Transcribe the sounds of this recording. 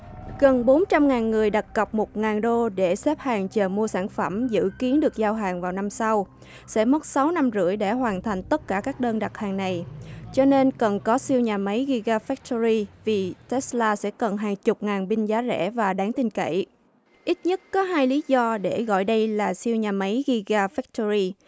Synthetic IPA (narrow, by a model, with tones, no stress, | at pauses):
ɣə˨˩nɓo˨˦nt͡ɕa˧mŋaː˨˩nŋɨ˨˩əjɗa˨˩t̚kə˨˩p̚mo˨˩t̚ŋaː˨˩nɗo˧ɗe˧˩sɛ˦˥p̚haː˨˩ŋt͡ɕəː˨˩mu˧əsa̰ː˧˩nfə˧˩mzɨ̰˧˥ki˨˦ənɗɨ˨˩ək̚zaː˧wɦaː˨˩ŋvaː˨˩wna˧msa˧w | sɛ̰˧˥mə˦˥t̚sa˨˦wna˧mzɨ̰˧˥˨əjɗe˧˩hwaː˨˩nt̪ʰa˨˩ŋ̟t̪ə˦˥t̚kaː˧˩kaː˦˥k̚ɗəː˧nɗa˨˩t̚haː˨˩ŋna˨˩jt͡ɕɔ˧ne˧nkə˨˩nkɔ˨˦si˧əwɲaː˨˩ma˨˦jɣi˧ɣaː˧fɛ˦˥k̚t̪o˧zi˧vi˨˩t̪ɛ˦˥slaː˧sɛ̰˧˥kə˨˩nɦaː˨˩jt͡ɕʊ˨˩k͡p̚ŋaː˨˩nɓï˧ŋ̟zaː˨˦zɛ̰˧˥vaː˨˩ɗaː˨˦ŋt̪ï˧ŋ̟kə̰˧˩˨j | ʔi˦˥t̚ɲə˦˥t̚kɔ˨˦ɦaː˧jli˨˦zɔ˧ɗe˧˩ɣɔ̰˧˨jɗə˧jlaː˨˩si˧əwɲaː˨˩ma˨˦jɣi˧ɣaː˧fɛ˦˥k̚t̪o˧zi˧